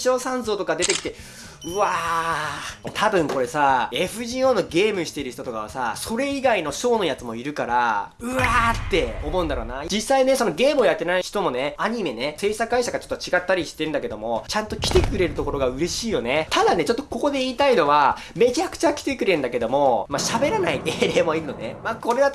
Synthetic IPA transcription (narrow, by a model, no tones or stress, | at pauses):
ɕo̞ːsãñzo̞ːt̪o̞kad̪e̞t̪e̞kʲi̥t̪e̞ | ɯ̟βa | t̪ʰabɯ̟̃ŋko̞ɾe̞sae̞ɸɯ̟ʑiːo̞ːno̞ɡe̞ːmɯ̟ɕi̥t̪e̞ɾɯ̟ç̥t̪ot̪okaβa̰saso̞ɾe̞iɡaino̞ɕo̞ːno̞jat͡sɨmo̞iɾɯ̟kaɾaɯ̟at̪ːe̞o̞mo̞ɯ̟nd̪aɾo̞ːnad͡ʑisːaine̞so̞no̞ɡe̞ːmɯojat̪ːe̞naiçi̥t̪o̞mo̞ne̞aɲ̟ime̞ne̞se̞ːsakɯɡaiɕaɡat͡ɕo̞t̪ːot͡ɕiɡat̪ːaɾʲiɕi̥t̪e̞ɾɯ̟nak̬e̞d̪omo̞t͡ɕãnt̪o̞kʲi̥t̪e̞kɯ̟ɾe̞ɾɯ̟t̪o̞ko̞ɾo̞ɡaɯ̟ɾe̞ɕiːjo̞net̪ad̪ane̞t͡ɕo̞t̪ːo̞ko̞ko̞d̪e̞iːt̪aino̞βa | me̞t͡ɕakɯ̟̥t͡ɕakʲi̥t̪e̞kɯɾeɯ̟nd̪ake̞d̪o̞mo̞maɕabe̞ɾanaiʔeːɾe̞ːmoiɾɯ̟no̞nemako̞ɾe̞d̪at̪